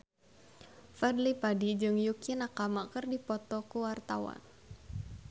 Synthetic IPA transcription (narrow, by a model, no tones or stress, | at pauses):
fadlipadid͡ʒɨŋjukinakamakərdipɔt̪ɔkuwart̪awa̰n